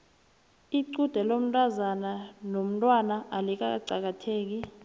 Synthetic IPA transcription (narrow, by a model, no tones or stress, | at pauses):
iǀud̥ʱɛlom̩tʼazananom̩tʼwanaʔalik̬aǀak̬atʰeːk̬i